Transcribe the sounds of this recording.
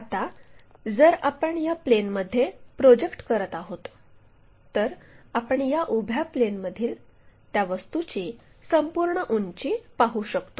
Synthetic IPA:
at̪ad͡zəɾapəɳjaplenməd̪ʱːjepɾod͡ʑekʈkəɾət̪aɦot̪ː | əɾapəɳjaʔubʱjaplenməd̪ʱiːlt̪jaʋəst̪ut͡ɕisəmpuɾɳəʔunt͡ɕipaɦuɕəkt̪o

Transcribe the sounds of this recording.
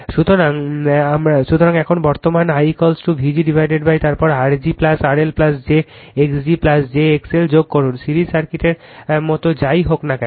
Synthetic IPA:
ʃut̪oɾaŋamɾaʃut̪oɾaŋɛkʰonbɔɾt̪omanajkɔlsʈubʱid͡ʑiɖibʱajɖeɖbajt̪aɾpɔɾaɾd͡ʑiplasaɾelplasd͡ʑeeksɖiplasd͡ʑeekseld͡ʑoɡ̚kɔɾunsiɾisaɾkiʈeɾmɔt̪od͡ʑajɦoknakɛ

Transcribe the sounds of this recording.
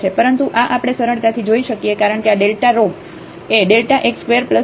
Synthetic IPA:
t͡ʃʰepəɾənt̪uʔaʔapəɽ̃esəɾəɳt̪at̪ʰid͡ʒoiʃəkijekaɾəɳkeaɖelʈaɾoɡ | eɖelʈaʔekskʋeəɾplə

